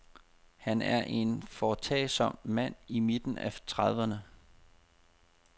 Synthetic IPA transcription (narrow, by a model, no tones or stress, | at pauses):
hænæɐʔe̝nfɒt͡sʰɛ̰ːɪsɒ̽m̰mæn̰imid̥n̩æt͡sʰʁɑð̞ˠʋənə